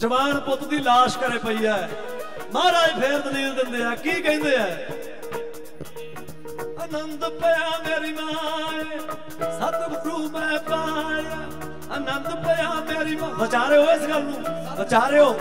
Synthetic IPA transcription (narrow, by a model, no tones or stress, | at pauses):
d͡ʒəʋaːnpʊt̪d̪iːlaːʃkəɾeːpəiːjaːɛː | mãːɾaːipʰeːɾd̪əneːld̪ɪnd̪eːaːkiːkɛ̃ːnd̪eːɦãː | ənənd̪pəãːmeːɾiːmaː | hət̪bɾuːmɛ̃ːpaː | ənənd̪pəãːmeːɾiːmãːʋət͡ʃaːɾeːɦoːɪsɡəlnũː | ʋət͡ʃaːɾeːoː